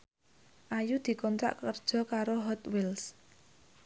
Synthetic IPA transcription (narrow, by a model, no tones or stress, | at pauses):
ʔajud̪̥i̤kɔnt̪ɾa̰ʔkərd̥ʒ̥ɔ̤kaɾoɦɔt̪wɪls